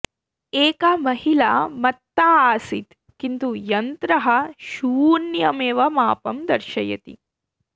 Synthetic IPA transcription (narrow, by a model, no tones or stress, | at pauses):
eːkɐmɐɦila̰ːmɐt̪ːaaːsit̪ | kint̪ujɐnt̪ɾɐɦɐʃuːnjɐmeːʋɐmaːpɐmd̪ɐɾʃɐjɐ̰t̪ḭ